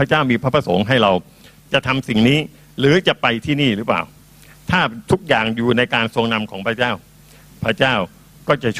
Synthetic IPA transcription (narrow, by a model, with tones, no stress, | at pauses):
pʰa˦˥t͡ɕaː˥˩wmiː˧pʰɾa˦˥pʰɾa˧so˩˦ŋɦa˥˩jɾa˧w | t͡ɕa˨˩t̪ʰa˧msi˨˩ŋniː˦˥ | ɾɯː˩˦t͡ɕa˨˩pa˧jt̪ʰiː˥˩niː˥˩ɾɯː˦˥pla̰ː˨˩w | t̪ʰaː˥˩t̪ʰu˦˥k̚jaː˨˩ŋjuː˨˩na˧jkaː˧nso˧əŋna˧mkʰɔː˩˦ŋpʰɾa˦˥t͡ɕaː˥˩w | pʰɾa˧˥˩t͡ɕaː˥˩w | kɔː˥˩t͡ɕa˨˩t͡ɕʰ